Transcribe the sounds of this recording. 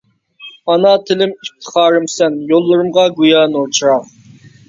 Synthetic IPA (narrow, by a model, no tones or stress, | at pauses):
ɑnɑt̪ʰɪlɪmip̚t̪ʰɨ̥χɑːɾɨmsɛnjolˠːɨɾɨmʁɑɡujɑːnoɾt͡ʃʰiɾɑq